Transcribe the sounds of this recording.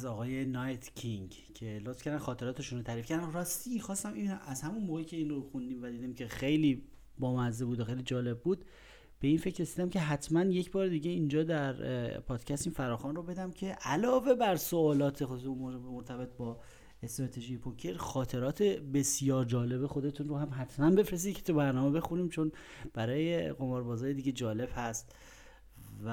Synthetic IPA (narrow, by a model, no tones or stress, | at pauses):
zɒːɣɒːje̞nɒjt̪ʰcʰiŋ | cʰelot̪fkcæɾd̪ænxɒːt̪ʰe̞ɾɒːt̪ʰe̞ʃunɾot̪ʰæɾiːfkcæɾd̪ænɾɒːst̪ixɒːst̪æminæzhæmunmoːɣecʰe̞iːnroxund̪iːmvæd̪iːd̪iːmcʰe̞xe̞jliː | bɒːmæzebuːd̪oxejlid͡ʒɒːle̞bːuːd̪̥ | b̥e̞iːnfe̞cɾe̞siːd̪æmcʰe̞ɦæt̪ʰmænje̞cʰbɒːɾed̪iɟeind͡ʒɒːd̪æɾpʰɒːd̪̥cʰæst̪infæɾɒːxɒːnrobe̞d̪æmcʰe̞ʔælɒːve̞bæɾsoɒːlɒːt̪ʰexomoɾt̪ʰæbe̞t̪̚bɒː | e̞st̪ɾɒːt̪ʰeʒijepʰokʰeɾxɒːt̪ʰe̞ɾɒːt̪ʰebe̞sjɒːɾd͡ʒɒːle̞bexo̞d̪e̞t̪ʰunroɦæmɦæt̪ʰmænbe̞fɾes̬iːd̪̚cʰe̥t̪ʰubæɾnɒːmebe̞xuniːmt͡ʃʰon | b̥æɾɒːjeɣo̞mɒːɾbɒːzɒːjed̪iɟed͡ʒɒːle̞b̥hæst̪ | v